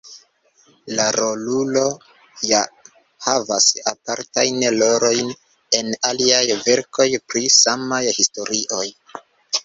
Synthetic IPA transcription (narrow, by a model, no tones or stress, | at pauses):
laɾo̞lulo̞ | ja | havasapaɾtajnlo̞ɾo̞jn | e̞naliajve̞ɾkʰo̞jpɾisamajhisto̞ɾiʔo̞j